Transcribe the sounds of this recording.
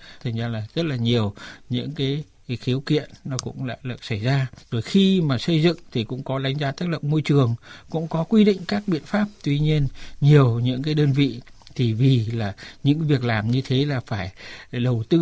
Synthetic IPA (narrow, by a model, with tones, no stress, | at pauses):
t̪ʰə˨˩ŋzaː˧laː˨˩z̥ə˦˥t̚laː˨˩ɲi˨˩əwɲɨ̰˧˥ŋkaː˨˦j | xi˨˦əwkḭ˧˨ənːɔ˨˦kʊ̰˧˥ŋ͡mla̰ː˧˨lə˨˧˩sa˧˩jzaː˧zo˨˩jxi˧maː˨˩sə˧jzɨ̰˧˨ŋt̪ʰi˨˩kʊ̰˧˥ŋ͡mkɔ˨˦ɗa˨˦jŋ̟zaː˧t̪aː˦˥t̚lə̰˧˨wŋ͡mmo˧jt͡ɕɨ˨˩əŋkʊ̰˧˥ŋ͡mkɔ˨˦kwi˧ɗḭ̈˧˨ŋ̟kaː˦˥k̚ɓḭ˧˨ənfaː˦˥p̚t̪wi˧ɲi˧ənɲi˨˩əwɲɨ̰˧˥ŋk̬aː˨˦jɗəː˧nvḭ˧˨ | t̪ʰi˨˩vi˨˩laː˨˩ɲɨ̰˧˥ŋvi˨˩ək̚laː˨˩mɲɨ˧t̪ʰe˨˦laː˨˩faː˧˩jɗə˨˩wt̪ɨ˧